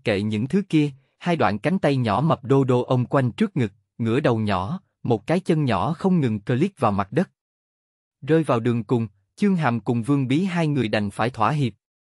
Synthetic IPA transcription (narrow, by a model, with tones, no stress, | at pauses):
kḛ˧˨ɲɨ̰˧˥ŋt̪ʰɨ˨˦ki˧ə | haː˧jɗwa̰ː˧˨nka˨˦jŋ̟t̪a˧jɲɔ̰˧˥mə˨˩p̚ɗo˧ɗo˧ʔə˧wŋ͡mkwa˧jŋ̟t͡ɕɨ˦˥ək̚ŋɨ˨˩k̚ | ŋɨ̰˧˩əɗə˨˩wɲɔ˧˩˦ | mo˨˩t̚kaː˨˦jt͡ɕə˧nɲɔ˧˩˥xə˧wŋ͡mŋɨ˨˩ŋkəː˧li˦˥t̚vaː˨˩wma˨˩t̚ɗə˦˥t̚ | zəː˧jvaː˨˩wɗɨ˨˩əŋkʊ˨˩ŋ͡m | t͡ɕɨ˧əŋɦaː˨˩mkʊ˨˩ŋ͡mvɨ˧əŋɓi˨˦ɦaː˧jŋɨ˨˩əjɗa˨˩jŋ̟faː˧˩jt̪ʰwaː˧˩ɦi˨˩əp̚